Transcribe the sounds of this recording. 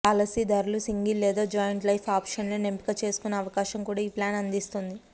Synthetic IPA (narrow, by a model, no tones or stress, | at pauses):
ɐlɐsid̪ɐɾulusiŋɡilːɛːd̪aːd͡ʒaːjɐɳʈlɐjfʰaːpʂɐnloːnempi̥kɐt͡ʃe̞ːsu̥kunːɐːʋɐkaːʃɐmkuːɽaːiːplaːnɐnd̪ist̪und̪i